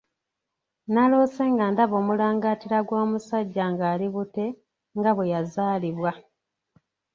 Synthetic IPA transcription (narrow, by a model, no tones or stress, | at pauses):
naloːseŋɡandaβo̞ːmulaːŋɡaːtiɾaɡwoːmusaɟːaŋɡaːliβute̞ | ŋɡaβwejazaːliβwa